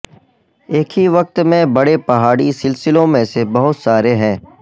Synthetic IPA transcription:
eːkʰɦiʋɐk̚t̪mẽbɐɽepɐɦaːɽisɪlsɪlõmẽsebɐɦʊt̪saːɾeɦɛ̃ː

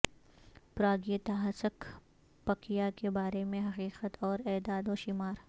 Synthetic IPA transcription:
pɾaːɡijət̪aɦɐsək | pɐkijakebaːɾemẽɦɐqiːqət̪ɔːɾɛːd̪aːd̪oːʃimaːɾ

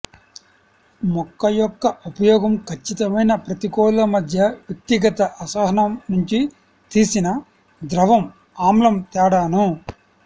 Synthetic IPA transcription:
mɔkːɐjɔkːɐʔupɐjɔːɡɐmkʰɐt͡ʃːit̪ɐmɐjnɐpɾɐt̪ikɔːllɐmɐd̪ʱjɐʋjɐk̚t̪iɡɐt̪ɐʔɐsaːɦɐnɐmnuɲt͡ʃi | t̪iːsinɐ | d̪ɾɐʋɐm | aːmlɐmt̪ɛːɽaːnu

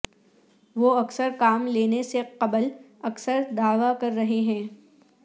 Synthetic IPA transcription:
ʋoːɐksəɾkaːmleːneseqɐbəl | ɐksəɾd̪aːʋakɐɾːɐɦeɦɛ̃ː

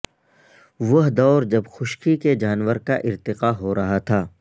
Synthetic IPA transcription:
ʋɐɦd̪ɔːɾd͡ʒɐbxʊʃkiked͡ʒaːnʋəɾka̰ʔɪɾt̪ɪqaɦoɾɐɦat̪ʰaː

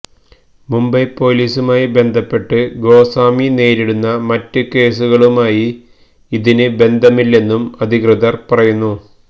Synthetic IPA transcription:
mumbɐjpːo̞ːliːsumaːjibe̞nd̪ʱɐpːe̞ʈːɨɡo̞ːsaːmine̞ːɾiɽunːɐmɐtːɨke̞ːs̬uɣɐɭumaːji | iðinɨbe̞nd̪ʱɐmilːe̞nːumɐd̪ʱikrɨðɐrpɐrɐjunːu

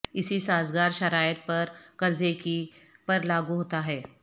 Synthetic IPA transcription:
ɪsisaːzɡaːɾʃɐɾaːjət̪̚pɐɾkɐɾzekipɐɾlaːɡuɦoːt̪aɦɛː

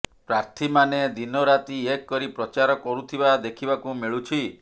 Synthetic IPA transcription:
pɾaɾt̪ʰimaned̪inɔɾat̪iekːɔɾipɾɔt͡ʃaɾɔkɔɾut̪ʰibad̪ekʰibakumiɭut͡ʃʰi

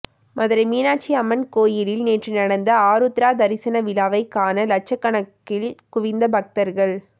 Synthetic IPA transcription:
mʔɐðɪɾɐmiːnaːt͡ʃːiɐmɐnkoːjɪlɪlneːʈrinɐɽɐnd̪ɐaːɾɯt̪ɪɾaːd̪ɐɾɪsɐnɐʋɪlaːʋɐɪkːaːnɐlɐt͡ʃːɐkːɐɳɐkːɪlkʊʋɪnd̪ɐbɐk̚t̪ɐɾɣɐɭ

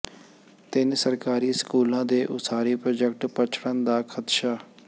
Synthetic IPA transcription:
t̪ɪnsəɾkaːɾiːskuːlãːd̪eːʔʊsaːɾiːpɾoːd͡ʒɛk̚ʈpət͡ʃʰɽənd̪aːkʰət̪ʃaː

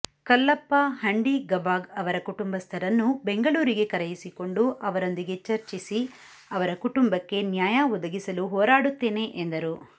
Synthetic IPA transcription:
kɐlːɐpːɐhɐɳɖiɡɐbaːɡɐʋɐɾɐkuʈumbɐst̪ʰɐɾɐnːube̞ŋɡɐɭuːɾiɡe̞kɐɾɐjisiko̞ɳɖuʔɐʋɐɾond̪iɡe̞t͡ʃɐɾt͡ʃisi | ɐʋɐɾɐkuʈumbɐkːe̞njaːjaɔd̪ɐɡisɐluɦɔːɾaːɽut̪ːe̞ːne̞ʔend̪ɐɾu

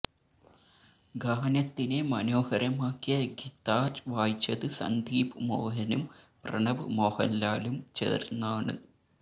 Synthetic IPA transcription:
ɡɐːɐnɐt̪ːinemɐnoːhɐɾɐmaːkːijɐɡit̪ːaːɾʋaːjit͡ɕːɐðɨsɐ̰nd̪ʱiːpɨmoːɦɐnumprɐ̰ɳɐʋɨmoːhɐ̰nlaːlumt͡ɕḛːrnːaːɳɨ̰

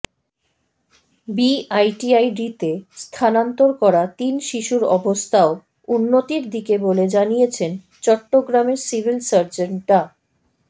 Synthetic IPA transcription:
biajʈiajɖit̪est̪ʰanant̪oɾkɔɾat̪inʃiʃuɾɔbost̪ʰao | unːot̪iɾd̪ikeboled͡ʑanijet͡ɕʰen | t͡ɕɔʈːoɡɾameɾsibʱilsaɾd͡ʑeɳʈa

